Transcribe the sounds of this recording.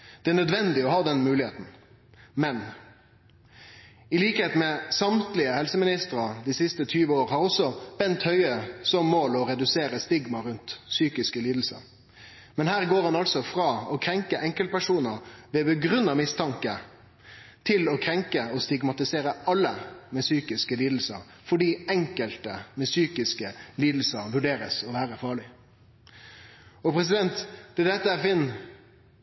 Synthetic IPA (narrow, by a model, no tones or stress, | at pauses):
d̪̥ɛænœd̪ʋɛnd̪ɪɔhɑːd̪ɛnmʉːlɪhḛːt̪n̩ | mɛn | ɪliːkəheːt̪mɛsɑmt̪lɪəhɛlsəmɪnɪst̪əɾɑd̪ɪsɪst̪ət̪ʰyːʋəoːɾəhɑːʁɔsɔb̥ɛnt̪hœʏəsɔmːoːlɔɾɛd̪ʉseːɾəst̪ɪɡmɑɾʉnt̪syːkɪskəliːd̪l̩sə̰ | mɛnhæːʁɡoːʁhɑnɑlsɔfʁɑːɔkʰɾɛŋkəʔɛŋkəlt̪̚pʰæʂuːnəɾʋɛbəɡɾʉnːɑmɪst̪ʰɑŋkə | t̪ʰɪlɔkʰɾɛŋkəɔst̪ɪɡmɑt̪ɪseːɾəʔɑlːəmɛsyːkɪskəliːd̪l̩sə̰ɾ | fɔɖiːɛŋkəlt̪əmɛsyːkɪskəliːd̪l̩səɾʋʉɖeːɾə̰sɔʋæːɾəfɑːɭɪ | ɔpʰɾɛs̬ɪd̪ɛnt̪d̪̥ɛd̪ɛt̪ːəæfɪnː